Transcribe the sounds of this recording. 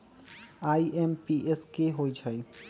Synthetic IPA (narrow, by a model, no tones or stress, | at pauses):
aːiempiʔeskeɦoid͡ʒʰʱai